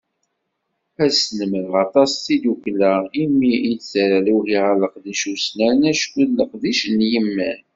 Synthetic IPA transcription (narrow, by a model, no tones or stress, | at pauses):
æsnəməðʁɑt̪ˤɑsθid̪uklæimːiit͡sːɾæluhiʁələqðiʃusnænæʃkəlːəqd̪iʃənjəmːæn